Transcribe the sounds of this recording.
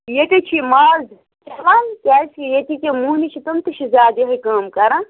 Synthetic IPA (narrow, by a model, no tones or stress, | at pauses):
jet̪et͡ʃʰimaːz | kʋankʲaːskijet̪ikʲemuɦnit͡ʃʰit̪ɐmt̪ɐʃʰizʲaːd̪eɦɐkaːmkɐɾã